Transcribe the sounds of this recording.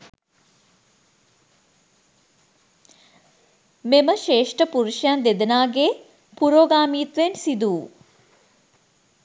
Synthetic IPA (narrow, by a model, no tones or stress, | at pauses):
meməʃeːʂʈəpuɾuʃjand̪ed̪ɐnaːɡe | puɾoːɡaːmiːt̪ʋensid̪uː